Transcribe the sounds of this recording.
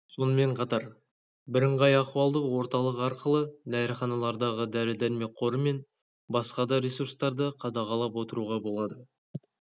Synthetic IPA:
so̞nəme̞ɴqʰɑt̪ɑɾ | bɪɾəɴʁɑjɑquɑlˠd̪əqwo̞ɾt̪ɑlˠəqɑɾqəlˠəd̪æɾχɑnɑlˠɑɾd̪ɑʁəd̪æɾɪd̪æɾme̞qʰo̞ɾəme̞n | bɑsqɑd̪ɑɾesurst̪ɑɾd̪əqʰɑd̪ɑʁɑlˠɑpwo̞t̪əɾuʁɑbo̞lˠɑd̪ə

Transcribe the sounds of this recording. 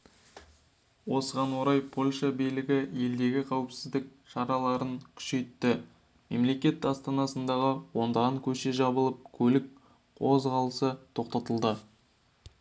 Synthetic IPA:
wo̞səʁɑnwo̞ɾɑjpʰo̞lʲʃɑbijlɪɡʲɪje̞ld̪e̞ɡʲɪqʰɑwəpsɪzd̪ɪk̚ʃɑɾɑlˠɑɾəŋkʲʰʏ̥ʃe̞jt̪ːɪ | me̞̰mle̞kʲe̞t̪ɑst̪ɑnɑsənd̪ɑʁəwo̞nd̪ɑʁɑŋkʲʰɵʃe̞ʒɑbəlˠəp̚kʲʰɵlɪk̚ | qʰo̞zʁɑlˠəsət̪ʰo̞q̚t̪ɑt̪əlˠd̪ə

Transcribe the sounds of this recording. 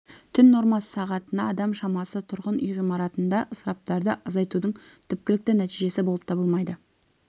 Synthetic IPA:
t̪ʰʏnːo̞ɾmɑsə̥sɑʁɑt̪ənɑːd̪ɑmʃɑmɑsət̪ʰʊɾʁənʏjʁijmɑɾɑt̪ənd̪ɑʔəsɾɑp̚t̪ɑɾd̪əʔɑzɑjt̪ud̪əɴt̪ʰʏp̚kʲɪlɪk̚t̪ɪnæt̪iʒe̞sɪbo̞lˠəpt̪ʰɑbəlˠmɑjd̪ə

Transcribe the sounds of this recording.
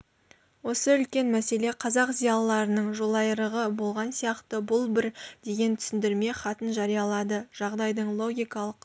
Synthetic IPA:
wo̞səʏlkʲe̞nmæse̞le̞qʰɑzɑqzijɑlˠːɑɾənəɴʒolˠɑjəɾəʁəbo̞lˠʁɑnsijɑqt̪əbʊlˠbɪɾd̪̥e̞ɡʲe̞nt̪ʰʏ̥sɪnd̪ɪɾme̞χɑt̪ənʒɑɾijɑlˠɑd̪əʒ̥ɑʁd̪ɑjd̪əɴlˠo̞ɡʲijkɑlˠəq

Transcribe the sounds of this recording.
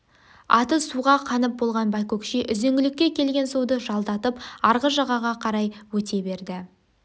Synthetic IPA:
ɑ̰t̪əsuʁɑqʰɑnəp̚bo̞lˠʁɑnbɑjkokʃiʔʏzeŋɡʲɪlɪkʲːe̞kʲʰe̞lɡʲe̞nsuwd̪əʒɑlˠd̪ɑt̪əpɑɾʁəʒɑʁɑʁɑqʰɑɾɑjwɵt̪e̞be̞ɾd̪ɪ

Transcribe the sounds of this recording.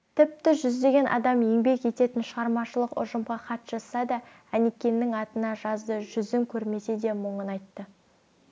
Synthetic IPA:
t̪ʰɪp̚t̪ɪʒʏzd̪e̞ɡʲe̞nʔɑ̰d̪ɑmje̞ŋbe̞kje̞t̪e̞t̪ɪnʃəʁɑɾmɑʃəlˠəqʊ̰ʒəmʁɑqʰɑt̪ʒ̥ɑsɑd̪ɑ | ænekʲːe̞nːɪŋɑt̪ənɑʒɑzd̪əʒʏzɪŋkʲʰɵɾme̞se̞d̪e̞məɴənɑjt̪ːə

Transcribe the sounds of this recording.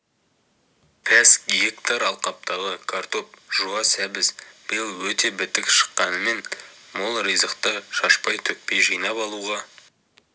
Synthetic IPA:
pʰæskɡekt̪aɾɑlˠqɑp̚t̪ɑʁəkʰart̪o̞p̚ʒ̥uɑsæbɪzb̥ɪjəlˠwɵt̪e̞bɪt̪ɪkʃə̥qːɑnəme̞nmolˠɾijzəqt̪əʃɑʃpɑjt̪ʰɵk̚pe̞jʒijnɑpɑlˠuʁɑ

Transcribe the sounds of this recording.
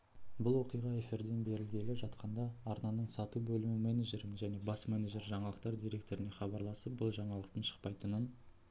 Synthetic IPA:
bʊlˠwo̞qijʁɑe̞fiɾd̪e̞nbe̞ɾɪlɡʲe̞lɪpʒɑt̪qɑnd̪ɑːɾnɑnəɴsɑt̪ubɵlɪmɪmeneʒe̞ɾɪmʒæne̞bɑsmeneʒe̞ɾʒɑɴɑlˠəq̚t̪ɑɾd̪ijɾʲe̞k̚t̪o̞ɾɪne̞χɑbɑɾlˠɑsəp̚bʊlˠʒɑɴɑlˠəqt̪əɴʃə̥q̚pɑjt̪ənən

